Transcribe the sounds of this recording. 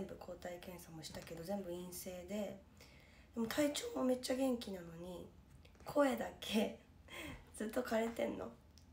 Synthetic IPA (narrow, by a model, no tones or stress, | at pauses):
mbɯ̟kʰo̞ːt̪aikẽ̞ɰ̃samo̞ɕi̥t̪ake̞d̪o̞zẽ̞mbɯ̟ĩɰ̃se̞ːd̪e̞ | d̪̥e̞mo̞t̪ʰait͡ɕo̞ːmo̞me̞t͡ɕːaɡẽ̞ŋkʲinano̞ɲ̟i | kʰo̞ed̪akʰe̞ | d͡z̥ɨt̪ːo̞kaɾe̞t̪ẽ̞nːʔo̰